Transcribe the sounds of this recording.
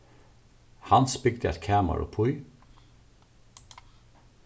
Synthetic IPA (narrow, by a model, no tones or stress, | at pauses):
hɑnspʏɡd̪əɛ̰t̪kʰæːmɑ̰ɹo̰ːpʰʊʏ